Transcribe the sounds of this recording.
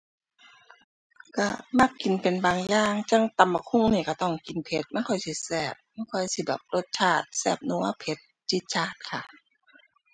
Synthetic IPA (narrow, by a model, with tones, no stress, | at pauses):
ka˧˩ma˧˩kːi˨npe˨nbaː˨ŋjaː˧˩ŋt͡ɕa˧˥˩ŋt̪a˨˩mːa˧kʰu˧˩˨ŋniː˧˩ka˧˩t̪ɔ˧˩ŋki˨npʰe˧˦t̪̚ma˧˥˨kʰɔ˧˩jsi˧˩sɛː˧˩p̚ma˧˥˨nkʰɔ˧˩jsi˧˩bɛː˨˩p̚lo˧˩t̪̚t͡ɕʰaː˧˩t̪̚sɛː˧˩p̚nu˧˦ɐpʰe˧˦t̪̚t͡ɕi˧˦t̪̚t͡ɕʰaː˧˩t̪̚kʰa˧˩